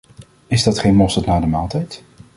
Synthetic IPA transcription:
ɪzdɑtχejnmɔstətnaːdəmaːlˠtɛjt

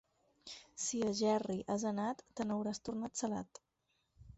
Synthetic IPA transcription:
siəʒɛriʔazənat̪ːənəwɾast̪urnat̪səla̰t̪

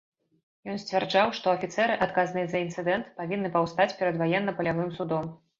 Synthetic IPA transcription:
jɔnsʲt͡sʲvʲɛrd͡ʐawʂt̪ɔɐfʲit̪sɛɾɨʔat̪kaznɨjɛzɐint̪sɨd̪ɛnt̪pavʲinːɨpɐwst̪at͡sʲpʲɛɾɐd̪vajɛnːɐpɐlʲavɨmsud̪ɔm

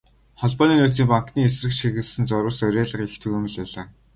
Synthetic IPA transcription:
χɔɮpɔːniːnuːt͡siːŋpaŋkniːesrɘ̆kʃiɣɘ̆ɮsɘ̆nt͡sɔɾʊ̆ːsœɾʲæːɮə̆χixt̪ʰɵɣɘːmɘ̆ɮpæːɮaː

